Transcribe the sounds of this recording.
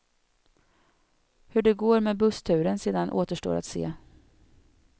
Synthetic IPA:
hɵɖɛɡoːɾmeːbɵst̪ʰʉ̟ːɾənseːd̪anʔo̰ːt̪əʂʈo̰ːɾʔa̰t̪sḛː

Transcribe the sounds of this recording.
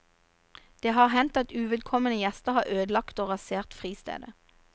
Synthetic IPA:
d̪̥eːhɑːʁhɛnt̪ɑt̪ʉːʋɛːd̪̚kʰɔmənəjɛst̪əʁhɑːʁøːd̪lɑkt̪oːʁɑseːʁt̪fʁiːst̪ḛːd̪ə

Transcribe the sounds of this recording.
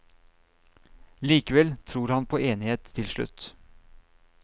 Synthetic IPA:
liːkəʋɛlt̪ʰɾuːɾhɑnpʰoːeːnɪheːt̪ʰːɪlʃɭʉ̰t̪

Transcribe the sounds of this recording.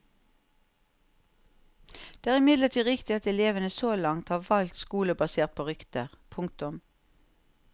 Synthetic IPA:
d̪eːæːʁɪmɪd̪ləʁt̪ʰiːʁɪkt̪ɪɑt̪ɛleːʋənəsoːlɑŋt̪hɑːʋɑlt̪skuːləbɑseːʁt̪̚pʰoːʁʏkt̪əʁpʰʊŋkt̪ʊm

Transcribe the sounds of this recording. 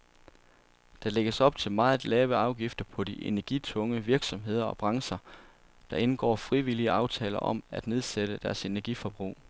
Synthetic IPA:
d̥ɑ̈le̝ɡ̥əsɒ̽b̥̚t͡sʰe̝lmɑ̈ːð̩ˠlɛːʊəɑ̈ʊɡ̥ifd̥ɐpʰɒ̽d̥iʔe̝næɐɡ̥it͡sʰɔ̽ŋəʋiɐɡ̥sɒ̽mɦe̝ð̞̰ˠɐɒ̽b̥ʁɑ̈ŋsɐ | d̥ɑ̈ʔe̝nɡ̥ɒ̰ːfʁiʋiliəɑ̈ʊt͡sʰɛ̰ːlɐʔɒ̽mæd̥ne̝ð̞ˠseɾ̥əd̥æɐse̝næɐɡ̥ifɒb̥ʁṵː

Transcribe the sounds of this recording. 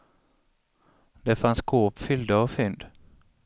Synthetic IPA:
d̪̥ɛfansɡʰoːpfʏld̪əːvfʏnd̪

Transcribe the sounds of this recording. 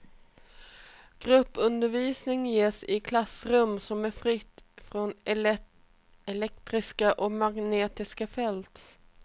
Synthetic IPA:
ɡ̥ɾɵpːɵnd̪əɾviːsnɪŋjeːsɪkʰlasɾɵmːsɔmæɾfɾɪt̪ːfɾɔn | ɛlɛkt̪ɾɪskaʔɔmaɡneːt̪ɪskafɛlt̪

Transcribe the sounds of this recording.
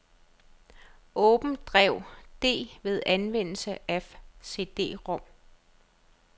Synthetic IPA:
ʔɔ̽ːb̥n̩d̥ʁɛʊ̰d̥e̝̰ːʋe̝ð̞ˠænʋen̰l̩səʔefse̝̰ːd̥e̝̰ːʁɔ̽m̰

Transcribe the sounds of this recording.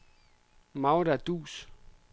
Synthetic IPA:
maʊɾad̥ṵːs

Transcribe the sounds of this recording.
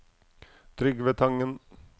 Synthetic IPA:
t̪ʰɾʏɡʋeːt̪ʰɑŋːən

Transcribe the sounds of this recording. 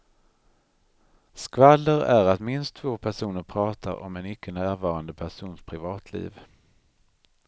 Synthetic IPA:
skvalːəɾæɾat̪mɪnst̪ʰːvoːpʰæʂuːnəɾpʰɾɑːt̪ʰa̰ɾɔ̰mɛnʏkʰːənæːɾvɑːɾand̪əpʰæʂuːnspʰɾɪvɑːt̪ʰlḭːv

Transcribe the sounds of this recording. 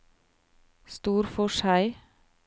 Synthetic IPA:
st̪uːɾfɔʃæɪ

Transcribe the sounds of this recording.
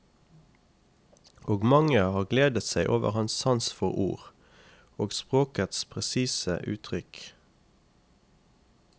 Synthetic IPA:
ʔoːɡmɑŋəhɑːʁɡleːd̪ət̪sæɪʔoːʋə̰ʁhɑnssɑnsfɔʁṵːʁ | oːɡspʁoːkət̪spʰʁɛsiːsə̰ʔʉ̰ːt̪ʰʁʏk

